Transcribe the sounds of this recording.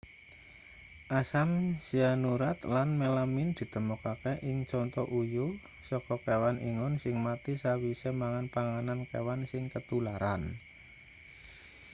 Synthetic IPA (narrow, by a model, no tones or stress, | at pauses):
ʔasamsianuɾat̪lanmelamind̪̥i̤t̪əmukakeʔɪŋt͡ʃɔnt̪ɔʔujʊ | sɔkɔkewanʔḭŋʊnsɪŋmat̪isawisemaŋanpaŋanankḛwansɪŋkət̪ulaɾa̰n